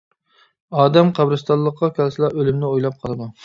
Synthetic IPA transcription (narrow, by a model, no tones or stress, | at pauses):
ɑːd̪ɛmqʰæbɾɨst̪ɑlˠːəqːɑkʲʰɛlsɨlˠɑʔølymnɪojlˠɑp̚qʰɑlˠɨd̪u